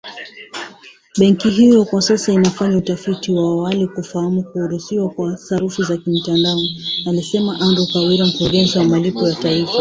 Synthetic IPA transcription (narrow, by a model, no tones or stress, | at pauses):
ɓɛŋkiɦijɔkwasasainafaɲautafitiwaːwalikufahamukuːɾusiwakwasaɾufizakim̩tandaɔalisɛmaʔandukawiɾam̩kuɾuɡɛnziwamalipɔjataifa